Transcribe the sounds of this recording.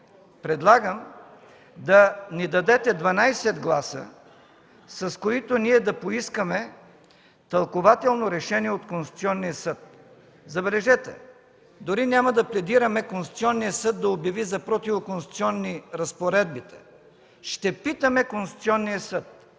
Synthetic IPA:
pɾɛd̪lˠaɡəm | d̪ɐnid̪ɐd̪ɛt̪ɛd̪vɐnajsɛd̪ɡlˠasə̰ | sɐskoit̪oniɛd̪ɐpoiskəmɛ | t̪ɐlˠkovat̪ɛlˠnoɾɛʃɛniɛot̪konsʲt̪siɔnːijəsɤt̪̚ | zɐbɛlɛʒɛt̪ɛ̰ | d̪oɾinʲjamɐd̪ɐplɛd̪iɾɐmɛkonsut̪siɔnːijəsɤd̪ːɐobjɐvizɐpɾɔt̪ivokonsit̪siɔnːiɾɐspoɾɛd̪bit̪ɛ̥ | ʃt̪ɛpit̪əmɛkonsu̥t̪siɔnːijəsɤt̪̚

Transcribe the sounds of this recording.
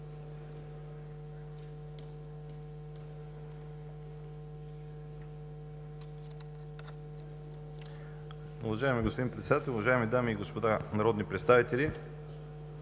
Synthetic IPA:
ʊvɐʒaɛmiɡospod̪inpɾɛt̪sɛd̪at̪ɛlʲˠʊvɐʒaɛmid̪amiːɡospod̪anɐɾɔd̪nipɾɛt̪st̪avit̪ɛli

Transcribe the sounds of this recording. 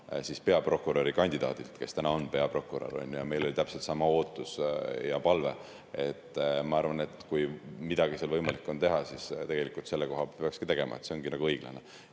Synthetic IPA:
sispe̞ɑpro̞kːˑuɾoɾikɑnʲd̪id̪̥ɑ̰ːd̪ilt̪ke̞st̪ænɑo̞npe̞ɑpro̞kːuɾɑ̰ɾo̞̰nʲːujɑme̞jlo̞lʲit̪æpselt̪sɑmɑo̞ːt̪ːˑusjɑpɑlve̞ | et̪ːˑmɑɑrvɑne̞t̪ːkujmid̪ɑɡ̥iselvɤjmɑlikːˑo̞nt̪e̞ɦɑsist̪e̞ɡ̥e̞likːˑult̪se̞lːeko̞ɦɑpeɑkskit̪e̞ɡ̥e̞mʔɑ̰et̪se̞o̞ŋɡinɑɡ̥uɤjɡ̥lɑ̰ne

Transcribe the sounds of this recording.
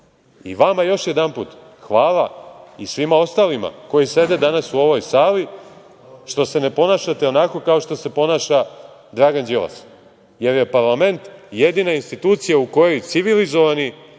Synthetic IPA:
ḭʋamajo̞ʃje̞d̪anpṵːt̪ | xʋaːlˠaisʋimao̞st̪alima̰ko̞jise̞d̪e̞d̪anasuo̞ʋo̞jsaːli | ʃt̪o̞se̞ne̞po̞naːʃat̪e̞o̞nako̞kao̞ʃt̪o̞se̞po̞naːʃa | d̪ɾaːɡand͡ʒiʋa̰s | je̞ɾje̞paɾlame̞nt̪je̞d̪inainst̪it̪uːt̪sijauko̞jojt̪siʋilizo̞ʋani

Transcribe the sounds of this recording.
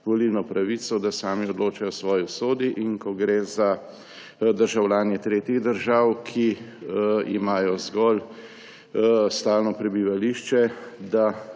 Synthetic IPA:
ʋoliwnɔpɾaʋiːt̪sɔd̪asaːmiɔd̪loːt͡ʃajɔsʋɔːjiwsoːd̪iʔiŋkɔɡɾeza | d̪əɾʒawlaːnjɛt̪ɾeːt̪iɣd̪əɾʒaːwkʰi | ḭmaːjɔzɡɔl | st̪aːlnɔpɾɛbiʋaliʃt͡ʃɛd̪a

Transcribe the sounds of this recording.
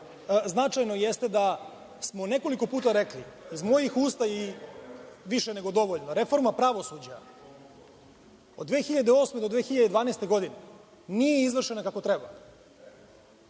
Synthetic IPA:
znat͡ʂajnojest̪e̞d̪a | smo̞ne̞ko̞liko̞puːt̪aɾekliizmo̞jixuːst̪aji | ʋiʃene̞ɡo̞d̪o̞ʋoʎnoɾe̞fo̞ɾmapɾaʋo̞sud͡ʑa | od̪ʋeːxiʎad̪eo̞smed̪o̞d̪ʋeːxiʎad̪ed̪ʋaːnest̪eɡo̞d̪ine | nijeizʋr̩ʃe̞nakako̞t̪ɾe̞ba

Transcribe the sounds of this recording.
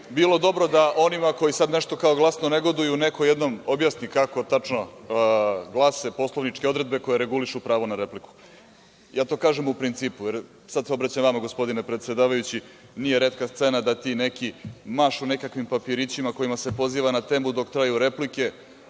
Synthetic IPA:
bilˠo̞d̪o̞bɾo̞d̪aʔo̞nimako̞jisad̪ne̞ʃt̪o̞kaoɡlˠasno̞ne̞ɡo̞d̪ujunekojed̪no̞mo̞bjasnikako̞t̪at͡ʂno | ɡlˠase̞po̞slˠoʋnit͡ʃke̞o̞d̪ɾe̞d̪̚be̞ko̞jeɾe̞ɡuliʃupɾaːʋonaɾe̞pliku̥ | jaːt̪o̞ːkaːʒemupɾint̪siːpujeɾ | sad̪seo̞bɾat͡ɕajmʋamaɡo̞spo̞d̪inepɾet̪sed̪aːʋajut͡ɕi | nije̞ɾe̞t̪kast̪se̞nad̪at̪iːne̞kimaʃune̞kakʋimpapiɾit͡ɕimako̞jimase̞po̞ziːʋanat̪eːmud̪o̞kt̪ɾajuɾe̞plike̞

